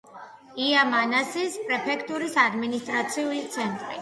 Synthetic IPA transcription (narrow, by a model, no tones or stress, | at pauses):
iamanasispʼɾɛpʰɛkʰt̪ʼuɾisad̪minist̪ʼɾat̪sʰiulit̪sʰɛnt̪ʼɾḭ